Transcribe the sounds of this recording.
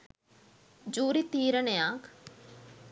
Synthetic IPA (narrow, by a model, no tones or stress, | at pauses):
d͡ʒuːɾit̪iːɾənejãːk